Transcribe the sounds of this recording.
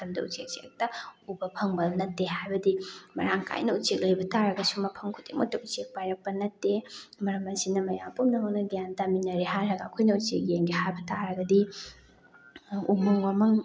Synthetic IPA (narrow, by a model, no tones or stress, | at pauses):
ɐmdɐṵt͡ʃek̚t͡ʃek̚tɐubɐpʰɐŋbɐnɐtːeɦajbɐdimɐɾaŋkʰa̰jnɐut͡ʃek̚lɐjbɐtaɾɐɡɐsumɐpʰɐŋkʰutḭmutːɐut͡ʃek̚pajɾɐk̚pɐnɐtːemɐɾɐmɐsinɐmɐjampumnɐɦɐwnɐɡjantaminɐɾiɦaɾɐɡɐːkʰojnɐut͡ʃek̚jeŋɡihajbɐtaɾɐɡɐdi | umɐŋwamɐŋ